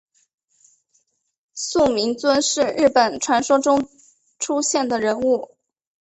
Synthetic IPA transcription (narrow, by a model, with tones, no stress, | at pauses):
su˥˩mi˧˥ŋt͡swə˥nʂɻ̩˥˧ɻɻ̩˥˩pə˨˩nʈ͡ʂʰwa˧˥nʂɔ˥ʈ͡ʂʊ˥ŋ | ʈ͡ʂʰu˥ɕjɛ˥˩nd̪ə˩ɻə˧˥nu˥˩